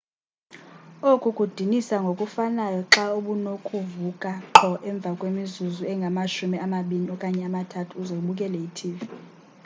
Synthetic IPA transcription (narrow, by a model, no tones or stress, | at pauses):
okʼukʼud̥ʱinisaŋɡʱokʼufanajɔǁauɓunokʰʼuvukʼaǁʰɔʔɛɱb̪vʱakʼwemizuzuɛŋɡʱamaʃumiamaɓiniɔkʼaɲɛamatʰatʰuːzouɓukʼɛlɛitʰiːvi